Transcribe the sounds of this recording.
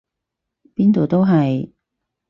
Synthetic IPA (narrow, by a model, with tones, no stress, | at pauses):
piː˥nt̪o˨wt̪o˥wɦɐ˨j